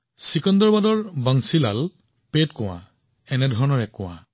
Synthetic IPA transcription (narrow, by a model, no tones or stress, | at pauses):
sikɔndɔɹbadɔɹbaŋsila̰l | petkɔ̃w̃ã̰ | ɛnɛdʱɔɹɔnɔɹɛkʊ̃w̃ã̰